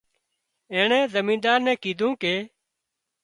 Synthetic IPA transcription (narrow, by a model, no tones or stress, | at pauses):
ẽːɳɛ̃ːzəmĩːnd̪aːɾnɛ̃ːkiːd̪ʱũːkeː